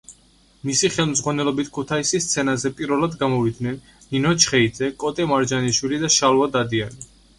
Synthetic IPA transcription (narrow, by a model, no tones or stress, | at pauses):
misiχɛlˠmzʁwanɛlɔbit̪ʰkʰut̪ʰaisist̪sʰɛnazɛpʼiɾvɛlad̪ɡamɔvid̪nɛnː | inɔt͡ʃʰχɛid̪zɛkʼɔt̪ʼɛmaɾd͡ʒaniʃwilid̪aʃalˠuad̪ad̪iani